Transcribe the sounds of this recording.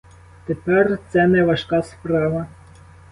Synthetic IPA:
t̪epɛrt̪sɛnɛʋɐʃkɑspɾɑʋɐ

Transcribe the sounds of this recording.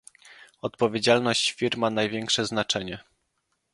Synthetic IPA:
ɔt̪pɔvʲed͡ʑalnɔɕt͡ɕfʲiɾmːanajvʲjɛŋkʂɛznat͡ʂɛɲɛ

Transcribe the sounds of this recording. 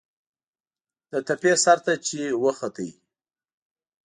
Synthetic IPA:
d̪̥ət̪apesaɾt̪at͡ʃewəxat̪əj

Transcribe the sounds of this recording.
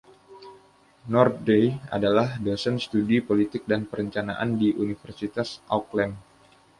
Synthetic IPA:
nɔr̚dea̰dalahdəsənst̪udipolit̪ɪk̚danpəɾəɲt͡ʃanaʔa̰ndiʔunifərsit̪asʔa̰klɛm

